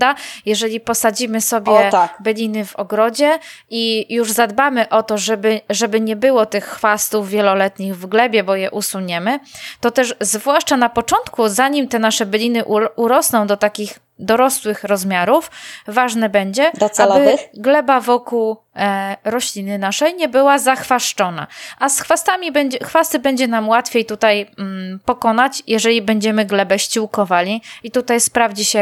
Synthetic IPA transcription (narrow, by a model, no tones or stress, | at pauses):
ajɛʐɛlʲipɔsad͡ʑimɘsɔbʲjɛbɘlʲinɘvɔɡɾɔd͡ʑɛijuʐzad̪bamɘʔɔt̪ɔʐɛbɘʐɛbɘɲɛbɘwɔt̪ɘxxfast̪uvːʲjɛlɔlɛt̪ɲiɣvɡlɛbʲjɛbɔjɛʔusuɲɛmɘt̪ɔt̪ɛʂzvwaʂt͡ʂanapɔt͡ʂɔnt̪kuzaɲimt̪ɛnaʂɛblʲinɘʔuɾɔsnɔ̃w̃d̪ɔt̪akʲix | d̪ɔɾɔswɘxɾɔzmʲjaɾufvaʐnɛbɛɲd͡ʑɛd̪ɔalɔbɘɡlɛbavɔkuw | ɾɔɕlʲinɘnaʂɛjɲɛbɘwazaxfaʂt͡ʂɔn̪a̰ʔasxfast̪amʲibɛɲd͡ʑɛxfast̪ɘbɛɲd͡ʑɛnamwat̪fʲjejt̪ut̪ajpɔkɔn̪at͡ɕjɛʐɛlʲibɛɲd͡ʑɛmɘɡlɛbɛɕt͡ɕiwkɔvalʲiit̪ut̪ajspɾavd͡ʑiɕɛ